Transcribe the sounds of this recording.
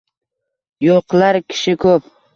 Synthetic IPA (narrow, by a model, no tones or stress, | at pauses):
joqlaɾkʲʰɪ̥ʃɪkʰɵp